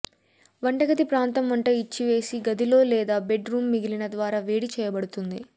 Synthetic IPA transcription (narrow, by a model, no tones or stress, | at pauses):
ʋɐɳʈɐɡɐt̪ipɾaːnt̪ɐmʋɐɳʈɐit͡ʃːiʋe̞ːsiɡɐd̪ilo̞ːlɛːd̪aːbe̞ɖɾuːmːiɡilinɐd̪ʋaːɾaːʋeːɽit͡ʃɛːjɐbɐɽut̪und̪i